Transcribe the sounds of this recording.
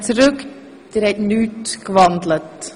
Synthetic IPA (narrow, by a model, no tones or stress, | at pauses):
t͡sɾɵk | d̥eɾhɛtnyːtkvɑndlət